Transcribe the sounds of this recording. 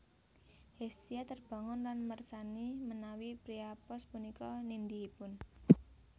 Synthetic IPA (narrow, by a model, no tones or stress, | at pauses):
hest̪iat̪ərb̥a̤ŋʊnlanmərsanimənawipɾiapɔspunikɔnind̪iipʊn